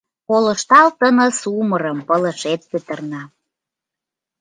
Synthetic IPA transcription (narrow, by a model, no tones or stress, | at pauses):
kolə̆ʃt̪ɑlt̪ənə̆suməɾə̆mpələ̆ʃet̪̚pøt̪ə̆rnɑ